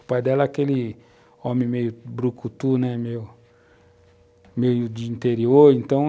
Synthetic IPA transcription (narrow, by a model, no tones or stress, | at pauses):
pajd̪ɛlɐakeli | ɔ̃mẽmejʊbɾukut̪unɛmeʊ | mejʊd͡ʒiĩnt̪eɾioɾẽnt̪ɐ̃w̃